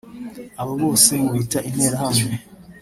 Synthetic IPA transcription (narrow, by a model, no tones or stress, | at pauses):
aβaβo̞ːse̞muβitaʔinhe̞ːɾahamŋe